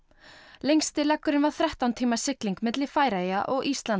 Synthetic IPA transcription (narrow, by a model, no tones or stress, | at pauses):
lejŋst̪ɪlɛkːʏɾɪnvað̥θɾɛht̪awnt̪ʰiːmasɪkliŋkmɪt̪lɪ̥faːjɾajaʔɔɣʔist̪lan